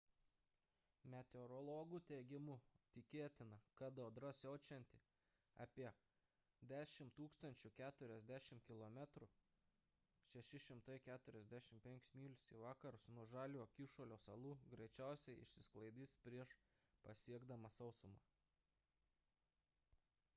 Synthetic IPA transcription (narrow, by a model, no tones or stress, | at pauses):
mʲɛt̪ʲɛʊɾɔlˠoːɡʊt̪ʲɛːɡʲɪmʊt̪ʲɪkʲeːt̪ʲɪnɐkɐd̪oːd̪ɾɐsʲɛʊt͡ʃʲɛnʲt̪ʲɪ | ɑ̰ːpʲiɛ | d̪ʲæːʃʲɪmt̪uːkst̪ɐnʲt͡ʃʲʊkʲæːt̪ʊɾʲɛzʲd̪ʲæːʃʲɪmkʲɪlˠomʲæt̪ɾʊ | ʃʲɛʃʲɪʃʲɪmt̪ɐɪkʲæːt̪ʊɾʲɛzʲd̪ʲæːʃʲɪmpʲɛŋʲkʲʊ̥smʲiːlʲɪsiʋɑːkɐɾʊsnuɔʒɑːlʲuːɐkʲiʃoːlʲoːsɐlˠuːɡɾʲɛɪt͡ʃʲæˑʊsʲɛɪɪ̰ʃʲsʲɪsklˠɐɪd̪ʲiːspʲɾʲiɛʃ | pɐsʲiɛɡd̪ɐmɐsɐʊsʊmɑː